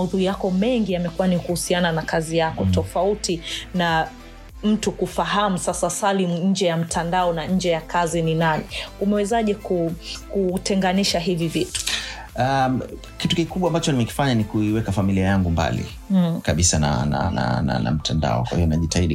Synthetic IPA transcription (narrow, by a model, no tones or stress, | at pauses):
ahuðuijakɔmɛŋɡijamɛkuwanikuhusiananakazijakɔttɔfautina | m̩tukufaɦamusasasalimuɲ̩d͡ʒɛjam̩tʰandaɔnaɲ̩d͡ʒɛjakʰazininaniumɛwɛzaʄɛkukutɛŋɡaniʃaɦivivitu̥ | a | kitukikuɓwambat͡ʃɔnimɛki̥faɲanikuiwɛkafamiliajaŋɡumba̰lḭ | kaɓisana̰na̰na̰na̰na̰m̩tʰanda̰ɔ̰kwa̰hijɔnaʄitaiɗi